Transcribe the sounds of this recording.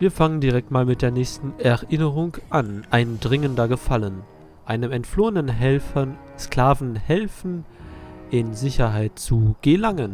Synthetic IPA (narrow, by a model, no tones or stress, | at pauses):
viːɐfaŋəndiʁɛk̚tmaːlmɪt̚d̥eːɐnɛːçstn̩ɛɐʔɪnəʁ̞ʊŋʔanʔaɪndʁɪŋəndɐɡəfalən | ʔaɪnəmɛntfloːənənɦɛlfɐ | skl̥aːvn̩hɛlfn̩ | ʔɪnzɪçɐɦaɪt̚t͡suɡ̥əlaŋən